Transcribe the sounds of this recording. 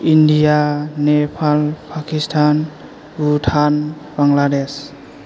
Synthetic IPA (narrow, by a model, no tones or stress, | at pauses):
indijanepʰalpʰakistʰan | ɡuʈʰan | baŋlades